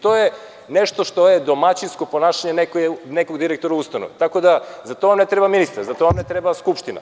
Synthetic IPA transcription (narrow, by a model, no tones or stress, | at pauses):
t̪oje | neʃt̪oʃt̪o̞jed̪o̞mat͡ɕinsko̞po̞naʃaɲenekjnekoɡd̪iɾek̚t̪oɾaust̪anoʋt̪ako̞d̪azat̪o̞amnet̪ɾebaminist̪aɾzat̪oʋamnet̪ɾebaskupʃt̪ina̰